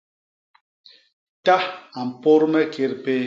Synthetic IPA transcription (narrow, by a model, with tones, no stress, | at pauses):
ta˦a˨m̩˨po˦ɾmɛ˦ke˨ɾpe˦